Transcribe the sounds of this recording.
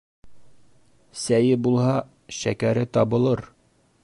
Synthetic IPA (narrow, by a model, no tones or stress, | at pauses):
sæjɘbulˠhɑ | ʃækæɾɘt̪ɒbɤ̆lˠɤɾ